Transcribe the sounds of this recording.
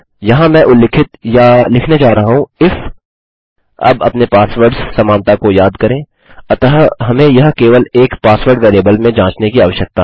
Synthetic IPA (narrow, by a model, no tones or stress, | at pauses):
jɐɦãmɛ̃ʔʊlːɪːkʰɪt̪jalɪkʰned͡ʒaːɾɐɦaɦũɪf | ɐ̰bɐpnepaːsʋəɾɖssɐmãːnt̪akojaːd̪kɐɾẽː | ɐt̪əɦɦɐmẽjɐɦkeːʋəleːkpaːsʋəɾɖʋeːɾeːbəlmẽd͡ʒãːt͡ʃnekiaːʋəʃjək̚t̪aː